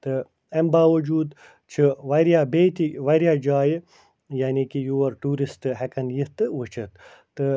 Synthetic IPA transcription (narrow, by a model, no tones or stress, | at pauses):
t̪ɨ | ɐmbaːʋɐd͡ʒuːd̪ | t͡ʃʰiʋɐɾijaːbet̪iʋɐɾijaːd͡ʒaːj | jaːnikijuwɐɾʈuːɾist̪ɨɦekɐnjit̪ɨʋut͡ʃʰɐt̪ | t̪ɨ